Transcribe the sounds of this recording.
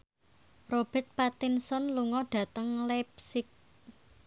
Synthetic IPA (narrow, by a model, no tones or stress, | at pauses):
rob̥ɛt̪̚pat̪ɪnsɔnluŋɔɖ̥ä̤t̪əŋlɛp̚sɪk̚